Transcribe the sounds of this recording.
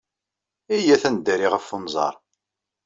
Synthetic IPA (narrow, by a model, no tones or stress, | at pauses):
æjæθænd̪ːæɾiʁəfːonzˤɑ̰ɾˤ